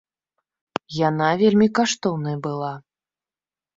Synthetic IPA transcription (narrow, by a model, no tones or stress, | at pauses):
janavʲelʲmʲikaʂt̪ɔwnɐjbɨlˠa